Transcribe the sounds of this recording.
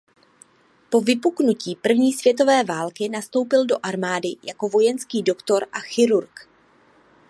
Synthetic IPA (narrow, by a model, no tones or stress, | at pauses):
po̞vɪpuknuciːpr̩vɲiːsv̥jɛt̪̬o̞vɛːvaːlkɪnast̪o̞wpɪldo̞ʔaɾmaːdɪjako̞vo̞jɛnskiːdo̞kt̪o̞ɾʔaxɪɾuɾk